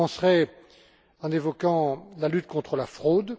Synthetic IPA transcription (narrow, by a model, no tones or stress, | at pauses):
ɑ̃sʁɛ | ɑ̃nevɔkɑ̃lalyt̪kɔ̃t̪χəlafχod̪